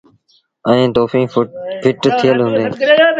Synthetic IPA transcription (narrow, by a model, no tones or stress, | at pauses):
ə̃ẽːt̪oːfĩːpʰɪʈt̪ʰijəlɦũːnd̪ẽː